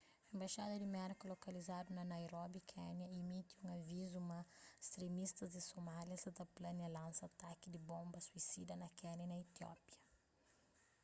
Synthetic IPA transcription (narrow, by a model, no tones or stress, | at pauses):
ɐẽmbaʃad̪ɐd̪imɛɾkulokɐlizad̪unɐnajɾɔbikʰɛnjɐimit̪iũŋavizumɐst̪ɾemist̪ɐzd̪ɪsomaljɐzɐd̪ɐplɐnjɐlãnsɐat̪akid̪ɪbõmbɐsuisid̪ɐnɐkɛnɐnɐit̪iɔ̰pjɐ